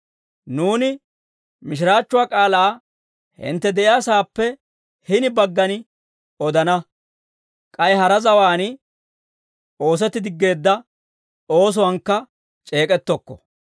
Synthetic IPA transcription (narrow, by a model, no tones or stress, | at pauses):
nuːnɪ | mɪʃ̬ɪɾaːt͡ʃːʊwaːkʼaːlaː | hɪ̰nt̪ːɛd̪ɛʔɪjaːsaːpːɛ | hɪnɪbɐɡːɐnɪ | ɔd̪ɐnɐ | kʼɐjɦɐɾɐzɐwaːnɪ | o̞ːs̬ɛt̪ːɪd̪ɪɡːe̞ːd̪ːɐ | o̞ːs̬ʊwɐŋkːɐ | t͡ʃʼe̞ːkʼɛt̪ːɔkːɔ̥